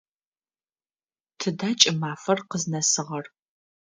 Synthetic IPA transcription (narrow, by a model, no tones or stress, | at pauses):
tʰɨdaːt͡ʃʼɪmaːfɐrqəznɐsɨʁɐr